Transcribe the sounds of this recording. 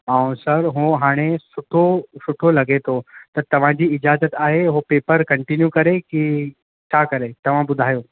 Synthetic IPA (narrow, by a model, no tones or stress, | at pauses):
aːũsɐɾɦõɦaːɽ̃esʊʈʰosʊʈʰolɐɡʱet̪ʰot̪ɐt̪ɐʋ̤ãd͡ʑiːɪd͡ʑaːzət̪aːɦeɦopeːpəɾkɐ̃ɳʈinjukɐɾeki | t͡ɕʰakɐɾet̪ɐʋ̤ãbʊd̪ʱaːjoː